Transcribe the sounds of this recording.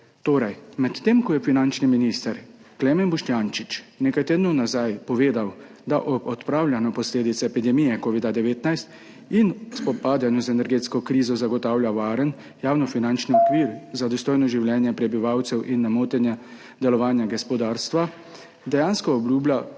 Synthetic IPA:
t̪oːɾajmɛt̪ːeːmkɔjɛfinant͡ʃniminist̪əɾklɛːmɛnbuʃt̪jant͡ʃit͡ʃnekajt̪eːd̪nunazajpɔʋeːd̪aw | d̪aʔɔbɔt̪pɾaːwlʲjanɔpɔsleːd̪it̪sɛɛpid̪ɛmijɛkoːʋid̪ad̪ɛʋeːt̪najst̪ | inspɔpaːd̪janjuzɛnɛɾɡeːt̪skɔkɾiːzɔzaɡɔt̪aːwljaʋaːɾən | jaːwnɔfinant͡ʃniɔkʋiːɾzad̪ɔst̪oːjnɔʒiwljɛːnjɛpɾɛbiʋawt̪sɛwʔinːamoːt̪ɛnja | d̪ɛlɔʋaːnjaɡɛspɔd̪aːɾst̪ʋa | d̪ɛjaːnskɔɔblʲjuːblʲa

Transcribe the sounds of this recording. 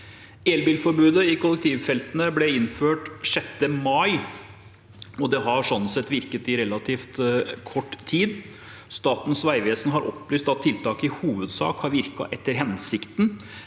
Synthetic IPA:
eːlbiːlfɔɾbʉːd̪əɪkʰʊlɛk̚t̪ʰiːʋfɛlt̪ənəblɛɪnføːʈʂɛt̪ːəmɑɪ | ɔd̪ɛɦɑɾʂɔnːənsɛt̪ːʋɪɾkət̪ɪɾɛlɑt̪ʰiːft̪kʰɔʈːt̪ʰːiːd̪ | st̪ɑːt̪n̩sʋæɪʋeːsnəɦɑɾʔɔ̰pːlyːst̪ɑt̪ʰːɪlt̪ʰɑːkəɪhuːʋəd̪sɑ̰ːkhɑɾʋɪɾkɑ̰ʔɛt̪ːəɾɦɛnsɪkt̪n̩

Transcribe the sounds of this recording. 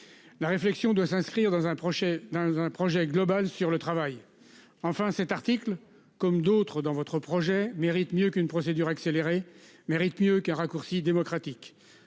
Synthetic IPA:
laʁeflɛksjɔ̃d̪wasɛ̃skχiʁd̪ɑ̃zɛ̃pʃɛd̪ɑ̃zɛ̃pχɔʒɛɡlɔbalsyʁlət̪χavaj | ɑ̃fɛ̃sɛt̪aʁt̪ikl | kɔmd̪ot̪χəd̪ɑ̃vɔt̪χəpχɔʒɛmeʁit̪mjøkynpχɔsed̪yʁakseleʁe | meʁit̪mjøkɛ̃ʁakuʁsid̪emɔkχat̪ik

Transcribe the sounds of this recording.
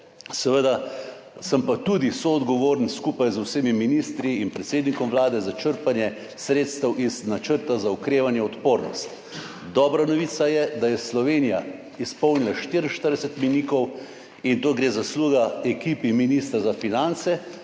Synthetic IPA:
sɛʋəd̪asəmpat̪ud̪isoɔd̪ɡɔʋoːɾnskuːpajzwseːmiminist̪ɾiːnpɾɛt̪seːd̪nikɔmʋlaːd̪ɛzat͡ʃəɾpanjɛ | sɾeːt̪st̪əwʔiznat͡ʃəɾt̪azaukɾeːʋanjɛɔt̪poːɾnɔ̰st̪ | d̪ɔːbɾanɔʋit̪sajɛd̪ajɛslɔʋenija | ispɔwnilaʃt̪iɾn̩ʃt̪əɾd̪ɛsɛt̪miniːkɔw | int̪oːɡɾeːzasluːɡaɛkiːpiminiːst̪ɾazafinant̪sɛ

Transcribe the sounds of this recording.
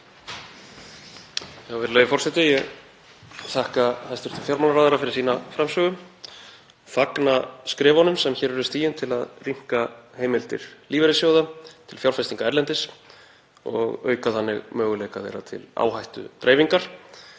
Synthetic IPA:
havɪɾleːjðɪfɔrsɛt̪ɪjɛɣ | θahkahajst̪ʏɾ̥t̪ʰɪlfjawɾmawlaɾaːðaɾafɪɾɪɾ̥siːnafɾamsœːɣʏm | faknaskɾɛːvɔnʏmsɛmçɛːɾɛɾʏst̪iːjɪnt̪ʰɪlaðriŋ̥kaheːjmɪlt̪ɪ̰ɾ̥liːvɛɾɪsjoːwðat̪ʰɪlfjawɾfɛst̪iŋkaɛɾlɛnt̪ɪs | ɔ̰ɣœːɥkaθanːɪ̰ɣmœːɣʏlejkaθḛjɾa̰t̪ʰɪ̰la̰ːwhajht̪ʏ̰t̪ɾeːjviŋkaɾ̥

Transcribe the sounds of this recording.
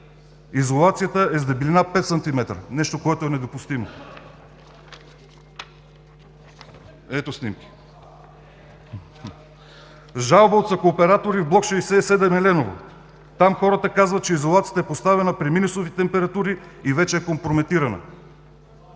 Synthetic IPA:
izolˠat̪sijət̪əɛzd̪ɐbilinapɛt̪sɐnt̪imɛt̪ɾə̰nɛʃt̪okoɛt̪oɛnɛd̪opust̪imo | ɛt̪osnimki̥ | ʒalˠbəot̪sɐkoːpɛɾat̪oɾivblˠɔkʃɛjsɛsɛd̪ɛmɛlɛnovo̰ | t̪amxɔɾət̪əkazvət̪̚t͡ʃɛizolˠat̪siət̪əɛpost̪avɛnəpɾiminusovit̪ɛmpɛɾɐt̪uɾiːvɛt͡ʃɛːkompɾomɛt̪iɾɐnə̰

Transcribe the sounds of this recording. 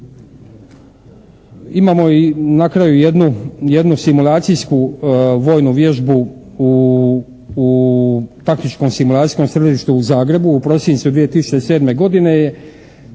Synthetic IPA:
imaːmo̞inakɾajujed̪nuje̞d̪nusimulˠaːt̪sijskuʋo̞ːjnuʋje̞ʒbu | u | t̪aknit͡ʃko̞msimulˠaːt̪i̥jsko̞msɾed̪iʃt̪uːzaːɡɾe̞buːpɾo̞sint̪sud̪ʋije̞t̪isut͡ʃese̞ːd̪me̞ɡo̞d̪ine̞je̞

